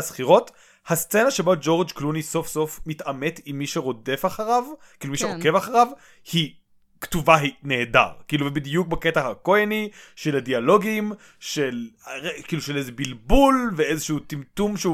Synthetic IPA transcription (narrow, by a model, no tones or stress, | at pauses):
sχiʁo̞t | hast͡se̞naʃe̞bod͡ʒo̞ʁd͡ʒkluniso̞fso̞fmitame̞timːiʃeʁo̞defaχaʁavkiːlumiʃeʁokevaχaʁav | hi | ktuvaɦineːda̰ʁkiːluvebid̪ijuk̚baketahako̞janiʃeladialo̞ɡim | ʃelkiːluʃelezebilbulveezeʃut͡simtumʃeu